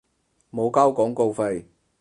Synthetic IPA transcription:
mo˨˧wka˥wkɔː˨˥ŋko˧wfa˧j

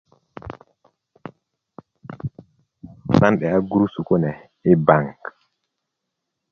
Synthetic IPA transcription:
sanɗɛ˨a˦ɡuɾu˦su˨kɔ˦nɛ | ɛ˦baŋk

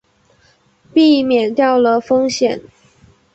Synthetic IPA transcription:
pi˥˩mjɛ˨˩nt̪jɑ˥˩ʊlə˩fɤ˥ŋɕjɛ˨˩˦n

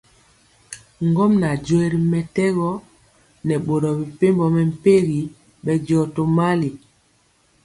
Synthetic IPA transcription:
ŋɡɔ˦mna˨d͡ʒwe˨ɾi˨mɛ˨tɛ˦ɣɔ˦ | nɛ˨ɓo˨ɾɔ˨bi˨pe˦mbɔ˨mɛ˨m̩˨pe˦ɣi˨ | ɓɛ˨d͡ʒɔ˨to˨ma˦li˨

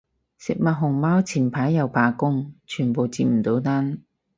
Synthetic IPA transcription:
sɪ˨k̚mɐ˨t̚ɦʊ˨˩ŋmaː˥wt͡sʰiː˨˩npʰaː˨˥jːɐ˨˧wpʰaː˨˧kʊ˥ŋt͡ʃʰyː˨˩npo˨˧wt͡siː˧p̚m̩˨˩t̪o˨˥wt̪aː˥n

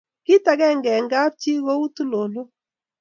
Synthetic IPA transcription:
kɪ˦ta˨˦ɡɛ˦ŋɡɛ˨ŋɡa˦p̚t͡ʃi˦wo˦u˦t̪u˦lo˨lo˦

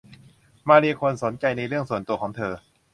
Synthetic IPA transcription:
maː˧liː˧kʰo˧nso˩˦nt͡ɕa˧jna˧jɾɯ˥˩əŋsu˨˩nt̪u˧ɐkʰɔː˩˦ŋt̪ʰɤː˧

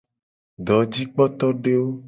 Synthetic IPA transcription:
ɖɔ˨d͡ʑi˦k͡pɔ˦t̪ɔ˦ɖe˦wo˦

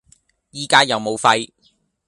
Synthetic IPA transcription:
jiː˨kaː˥jɐ˨wmo˨˧wfɐ˧j

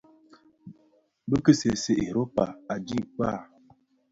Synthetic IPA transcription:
bə˦kə˦se˨se˨ʔe˨ɾo˦pa˨a˨d͡ʒi˦˨k͡pa˦˨

